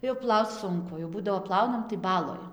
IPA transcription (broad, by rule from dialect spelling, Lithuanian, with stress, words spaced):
jɛʊ ˈplˠɐʊt͡s ˈsʊŋkʊ jɛʊ ˈbuːdɐʋoː ˈplˠɐʊnɐm tɐɪ ˈbɑːlˠoːj